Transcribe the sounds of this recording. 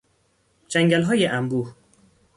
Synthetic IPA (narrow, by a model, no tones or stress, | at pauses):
d͡ʒæŋɟælɦɒːjeʔæmbuːh